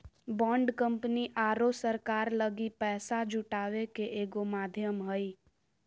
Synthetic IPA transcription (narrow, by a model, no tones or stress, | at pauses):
bɔ̃ːɳɖkə̃mpniʔaːɾosəɾkaːɾləɡipɛːsad͡ʒʊʈaːwekeʔeːɡomaːd̪ʱjəmɦəi